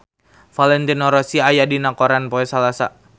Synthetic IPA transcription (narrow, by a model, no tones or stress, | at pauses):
falɛnt̪inɔɾɔsiajadinakɔɾanpɔɛsalasa